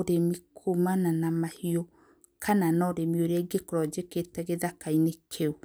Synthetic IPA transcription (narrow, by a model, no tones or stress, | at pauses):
oɾemikʰumananamahiɔ | kʰananɔɾemioɾɛɡekoɾɔd͡ʒeketɛɣeðakainekʰeu